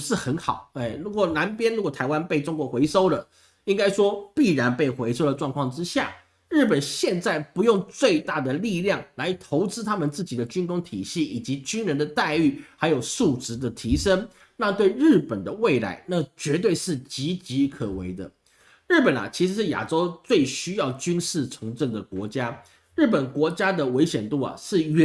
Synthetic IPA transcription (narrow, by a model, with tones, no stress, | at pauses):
ʂɻ̩˥˩xə˧˥nxɑ̰˨˩˦ʊe˥˩ɪɻu˧˥kwɔ˨˩na˧˥npjɛ˥nɻu˧˥kwɔ˨˩t̪ʰa˧˥ɪwa˥npe˥˩ɪʈ͡ʂʊ˥ŋkwɔ˧˥xwe˧˥ɪʂo˥ʊlə˨ | i˥ŋka˥ɪʂwɔ˥pi˥˩ɻa˧˥npe˥˩ɪxwe˧˥ɪʂo˥ʊd̪ə˨ʈ͡ʂwɑ˥˧ŋkʰwɑ˥˩ŋʈ͡ʂɻ̩˥ɕja̰˥˩ | ɻɻ̩˥˩pə˨˩nɕjɛ˥˧nt͡sa˥˩ɪpu˧˥jʊ˥˧ŋt͡swe˥˧ɪt̪a˥˩d̪ə˩li˥˧ljɑ˥˩ŋla˧˥ɪt̪ʰo˧˥ʊʈ͡ʂɻ̩˥t̪ʰa˥mə˨nt͡sɹ̩˥˩t͡ɕi˨˩d̪ə˦t͡ɕy˥nkʊ˥ŋt̪ʰḭ˨˩ɕi˥˩i˨˩t͡ɕi˧˥t͡ɕy˥nɻə˧˥nd̪ə˧t̪a˥˧ɪy˥˩xa˧˥ɪjo˨˩ʊʂu˥˩ʈ͡ʂɻ̩˧˥d̪ə˨t̪ʰi˧˥ʂə˥ŋ | na˥˧t̪we˥˧ɪɻɻ̩˥˩pə˨˩nd̪ə˦we˥˩ɪla̰˧˥ɪna˥˩t͡ɕɥɛ˧˥t̪̬we˥˧ɪʂɻ̩˥˩t͡ɕi˧˥t͡ɕi˧˥kʰə˨˩we˧˥ɪd̪ə̰˧ | ɻ̩˥˩pə˨˩nɐ̰˨˩t͡ɕʰi˧˥ʂɻ̩˧˥ʂɻ̩˥˩ja̰˨˩ʈ͡ʂo˥ʊt͡swe˥˩ɪɕy˥jɑ˥˩ʊt͡ɕy˥nʂɻ̩˥˩t͡sʰʊ˧˥ŋʈ͡ʂə˥˩ŋd̪ə˩kwɔ˧˥t͡ɕja˥ | ɻ̩˥˩pə˨˩nkwɔ˧˥t͡ɕja˥d̪ə˨we˧˥ɪɕjɛ˨˩nt̪u˥˩ɐ̰˩ʂɻ̩˥˩ɛ˧˥